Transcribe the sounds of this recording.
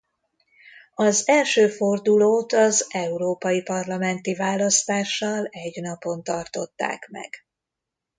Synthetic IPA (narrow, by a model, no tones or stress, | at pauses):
ɒzɛlʃøːfo̞rd̪uloːt̪ɒzɛuɾoːpɒjipɒrlɒmɛnt̪ivaːlɒst̪aːʃːɒlɛɟnɒpo̞nt̪ɒrt̪o̞t̪ːa̰ːkmɛ̰ɡ̥